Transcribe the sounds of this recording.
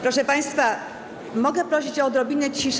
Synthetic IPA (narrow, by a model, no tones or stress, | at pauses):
pɾɔʂɛpaj̃st̪fa | mɔɡɛpɾɔɕit͡ɕɔd̪ɾɔbʲinɛt͡ɕiʂ